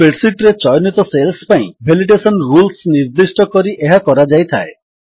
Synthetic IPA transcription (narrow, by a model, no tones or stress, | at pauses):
peɽsiʈɾet͡ʃɔjɔnit̪ɔselspaĩbʱeliɖesɔnɾulsniɾd̪isʈɔkɔɾiʔeɦakɔɾad͡ʒajt̪ʰa̰e